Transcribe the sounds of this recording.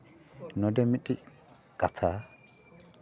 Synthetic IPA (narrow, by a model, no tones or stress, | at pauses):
nɔd̪ɛmɪɗʼɪ | kʼɐt̪ʰaː